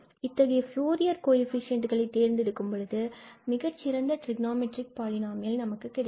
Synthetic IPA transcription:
ɪt̪ːɐɣɐjɐfjuːɾɪjɐɾkoːjɪfɪʂɪjɐɳʈɯɣɐɭɐɪt̪ːeːɾnd̪ɪɽɯkːɯmpɔɭɯðɯmɪɣɐt͡ʃːɪɾɐnd̪ɐʈɾɪɡnaːmɛʈɾɪk̚paːlɪnaːmɐjɐlnɐmɐkːɯkːɪɽɐ

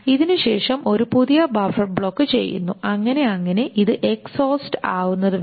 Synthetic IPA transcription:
iðinɨɕe̞ːʂɐmo̞ɾupuðijɐbɐfɐbɭo̞kːɨt͡ɕe̞̰jːṵnːṵɐŋːɐne̞ɐŋːɐne̞ʔiðɨʔeksoːsʈɨ̥aːwunːɐðɨ

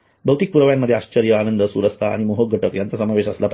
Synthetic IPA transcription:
bʱəwt̪ik̚puɾəʋjamːəd̪ʱjeaɕt͡ɕəɾjəanənd̪əsṵɾəst̪ʰaa̰ɽ̃imoɦoɡʱəʈəkjant͡s̪əsəmaʋeɕəslap

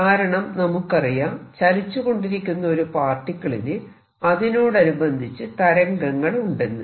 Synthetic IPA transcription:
kaːɾɐɳɐmnɐmukːɐrijaːnt͡ɕɐlit͡ɕːuɣo̞ɳɖiɾikʲːunːɐo̞ɾupaːrʈːikːɐɭilɨ | ɐðino̞ːɽɐnubɐnd̪ʱit͡ɕːɨt̪ɐɾɐŋɡɐŋːɐɭuɳɖe̞nːɨ

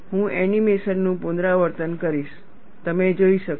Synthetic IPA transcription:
ɦũɛnimesənnũpund̪ɾaʋəɾt̪ənkəɾiʃ | t̪əmed͡ʒoiʃək

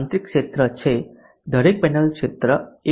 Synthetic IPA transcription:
nt̪ɾikːʂet̪ɾət͡ʃʰe | d̪ʱəɾek̚pɛnəlkʂet̪ɾəe

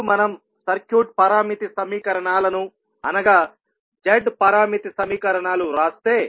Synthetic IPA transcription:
mɐnɐm | sɐɾkjuːʈ̚pɐɾaːmit̪isɐmiːkɐɾɐɳaːlɐnu | ɐnɐɡaː | d͡ʒɐɖpɐɾaːmit̪isɐmiːkɐɾɐɳaːluɾaːst̪e̞ː

